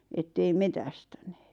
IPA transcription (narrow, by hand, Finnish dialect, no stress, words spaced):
etːei metæstæne̥ːt